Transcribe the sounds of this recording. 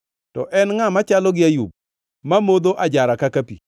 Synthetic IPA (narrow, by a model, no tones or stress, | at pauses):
tɔʔɛnŋamat͡ʃalɔɡɪajṵb̚ | mamod̪oʔad͡ʒaɾakakapḭ